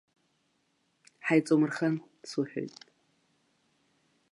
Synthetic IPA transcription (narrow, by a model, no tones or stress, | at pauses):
ħajt͡sʼomɨrχan | suħᶣo̰jtʼ